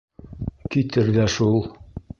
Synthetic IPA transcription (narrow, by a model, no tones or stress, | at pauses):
kit̪ɘɾðæʃulˠ